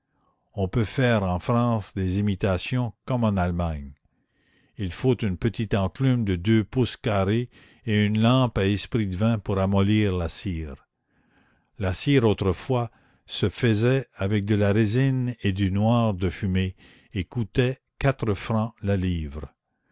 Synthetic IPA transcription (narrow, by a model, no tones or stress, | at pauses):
ɔ̃pøfɛːʁɑ̃fɾɑ̃ːsd̪ezimit̪asjɔ̃kɔmɑ̃nalmaɲ | ilfot̪ynpət̪it̪ɑ̃klymd̪əd̪øpuskaʁe | eynlɑ̃paɛspʁid̪əvɛ̃puʁamɔliːʁlasiːʁ | lasiːʁot̪ɾəfwa | səfəzɛavɛk̚d̪əlaʁezined̪ynwaːʁd̪əfyme | ekut̪ɛ | kat̪ʁəfʁɑ̃laliːvʁ